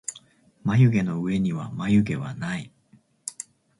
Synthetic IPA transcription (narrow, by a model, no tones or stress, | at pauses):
majɯ̟ɡe̞no̞ɯ̟e̞ɲ̟iβa̰majɯ̟ɡe̞βa̰nai